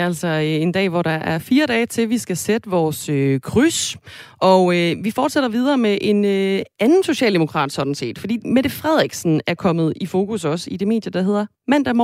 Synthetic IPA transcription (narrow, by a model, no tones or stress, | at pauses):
æl̰sɒe̝nd̥ɛ̰ːʋɒɾ̥ɑ̈ʔæɐfiːɐɾɛːt͡sʰe̝lʋisɡ̥æsed̥əʋɒːsøkʰʁysʔɒ̽øʋifɒːd̥seɾ̥ɐʋið̞ˠɐːmeʔe̝nøænn̩so̝ɕɛ̰ːld̥emokʰʁɑ̰̈ːd̥sɒ̽d̥n̩se̝̰ːd̥fɒ̽d̥ḭːmed̥efʁɛð̞̰ˠʁɛɡ̥sn̩æɐkʰɒ̽mð̞̩ˠifo̝ːkʰusɒ̽səid̥e̝me̝̰ːd̥jɐd̥ɑ̈ɦe̝ð̞̰ˠɐ | mæn̰d̥æmɒ